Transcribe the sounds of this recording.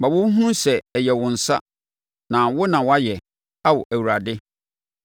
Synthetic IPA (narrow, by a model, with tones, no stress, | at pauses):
ba˨bʊ̃˦ɦũ˦sɛ˨jɛ˨wʊ̃˨n̩˨sa˦ | nã˨wʊ˦nã˨wa˦jɛ˨ | a˦wʊ˨ʔæ˨wu˨ɾa˨dɪ˦